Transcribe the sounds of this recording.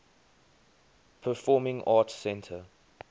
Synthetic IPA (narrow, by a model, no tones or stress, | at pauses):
pʰəfɔːmɪ̃ŋʔɑːtsɛ̃ntʰə